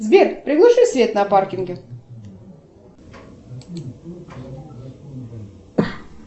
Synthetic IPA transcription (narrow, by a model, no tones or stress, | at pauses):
zbʲerpɾʲɪɡlˠaʂɨsvʲet̪naparkʲɪŋɡʲe